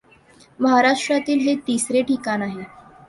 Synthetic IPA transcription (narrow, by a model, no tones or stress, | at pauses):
məɦaɾaʂʈɾat̪iːlɦet̪isɾeʈikanaɦe